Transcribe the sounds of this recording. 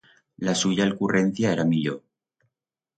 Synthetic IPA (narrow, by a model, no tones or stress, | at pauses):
lasuʝaːlkure̞n̟θjaeɾamiʎo